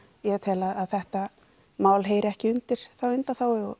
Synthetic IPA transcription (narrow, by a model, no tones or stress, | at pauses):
jɛt̪ʰɛːlaðaðθɛht̪a | maːwlɦeːjɾɛhcɪʏnt̪ɪɾ̥θawʏnt̪aθawɔ